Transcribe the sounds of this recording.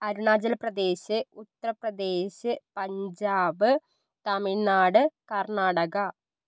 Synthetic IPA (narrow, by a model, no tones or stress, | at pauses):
ɐɾuɳaːd͡ʑɐlɐprɐd̪e̞ːɕɨut̪ːɐrɐprɐd̪eːɕɨpɐɲd͡ʑaːʋɨ | t̪ɐminaːɽɨkɐrɳaːɽɐɣɐ